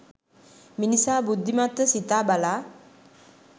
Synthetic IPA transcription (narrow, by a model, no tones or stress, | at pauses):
minisabud̪ʱːimat̪sit̪abala